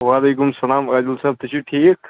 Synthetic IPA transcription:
ʋaːleːkumsɐlaːmaːd̪ulsaːb̚t̪ɐt͡ʃuʈʰiːk

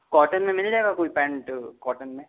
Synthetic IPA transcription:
kɔːʈənmẽmɪld͡ʒaeɡakoːipɛ̃ːɳʈkɔːʈənmẽ

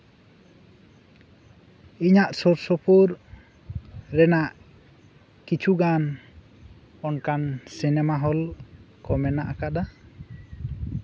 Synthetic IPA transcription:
iɲaʔsɔɾsɔpʰuɾ | ɾɛnaʔ | kit͡ʃʰuɡan | ɔnkansinɛmaɦɔlkɔmɛnaʔakaʔd̪a

